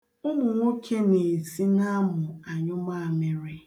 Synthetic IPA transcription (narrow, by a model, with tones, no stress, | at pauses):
ʊ˦mʊ˨ŋʷo˦kʰe˦ne˨si˦na˦mʊ˨a˨ɲʊ˦ma˦a˨me˨ɾɪ˦